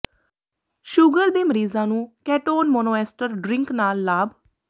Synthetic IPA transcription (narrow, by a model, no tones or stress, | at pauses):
ʃuɡəɾd̪eːməɾiːzãːnũːkɛːʈoːnmoːnoːɛːsʈəɾɖɾɪ̃ŋknaːlːaːb